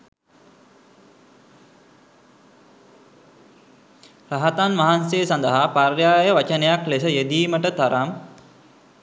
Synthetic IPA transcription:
ɾaɦat̪anʋaɦansejːsand̪əɦaparjaːjəʋat͡ʃənəjaklesəjed̪iːməʈət̪aɾʔam

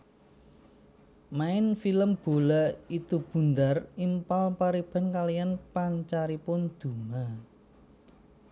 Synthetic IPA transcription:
maɪnfiləmb̥o̤lait̪ub̥ṳnd̪arimpalpaɾib̥a̤nkalijanpaɲt͡ʃaɾipʊnd̪̥ṳma

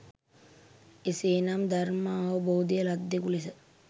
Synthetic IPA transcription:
eseːnamd̪armaːʋəboːd̪ijəlad̪ːekulesə

